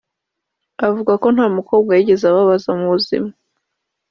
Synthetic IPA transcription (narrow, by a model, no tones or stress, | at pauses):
avuɡako̞nhaːmukʰo̞b̚ɡajiɟe̞zaβaβazaumuβuzḭma